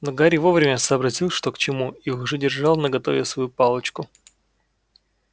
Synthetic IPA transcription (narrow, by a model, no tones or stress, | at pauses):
noɡaɾʲɪvovɾʲɪmʲəsəːbɾɐtʲilˠʂt̪o̞kt͡ɕɪmuiʊʐɛdʲɪrʐɑlˠnəɡɐt̪o̞vʲɪsvɐjupɑlˠət͡ɕkʊ